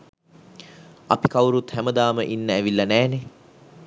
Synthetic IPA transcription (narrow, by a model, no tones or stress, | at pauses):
a̰pikawɾut̪hæməd̪aːməʔinːəæʋilːɐnæːne